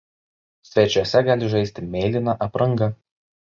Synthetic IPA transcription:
sʲʋʲɛt͡ʃʲuɔsʲɛɡɑːlʲɪʒɐɪsʲt̪ʲɪmʲeːlʲɪnɑʔɐpɾɐŋˑɡɐ

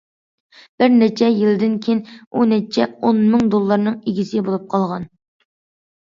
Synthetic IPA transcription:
b̥ɪɾnɛt͡ʃʰɛjilɪd̪ɪnkʲʰejnunɛt͡ʃʰɛonmɪŋd̪olˠːɑɾnɨŋeɡʲisɪbolˠup̚qʰɑlˠʁɑn

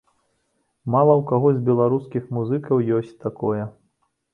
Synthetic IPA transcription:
malˠɐwkaɣɔzʲbʲɛlˠaɾuskʲixmuzɨkɐwjɔsʲt͡sʲt̪akɔjɛ

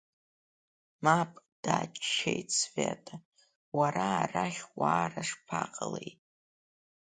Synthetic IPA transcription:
mapʼd̥aːt͡ʃʰʼʃejtʼsvatʼʰa | waɾaːraχʲwaːraʂpʰaqʼəlejtʼ

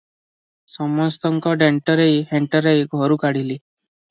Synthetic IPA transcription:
sɔmɔst̪ɔŋkɔɖeɳʈəɾeiheɳʈəɾeiɡʱɔɾuːkaɽ̤iliː

